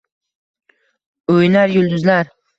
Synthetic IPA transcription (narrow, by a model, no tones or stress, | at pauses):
ojnaɾjʊld̪ʊzlaɾ